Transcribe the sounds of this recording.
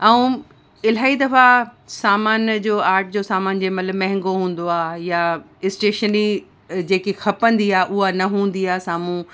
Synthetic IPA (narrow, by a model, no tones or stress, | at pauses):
ɛ̃ũ | ɪl̤aːid̪ɐfasaːmaːnd͡ʑoːaːɾʈ̚ʰd͡ʑoːsaːmaːnd͡ʑemɐt̪ləbmɛ̃ɦɪ̃ŋɡoɦũːn̆d̪oaːja | ɪsʈeːʃəni | d͡ʑeːkixɐpə̃nd̪iaːʔʊɦanɐɦũːn̆d̪iaːsaːmũ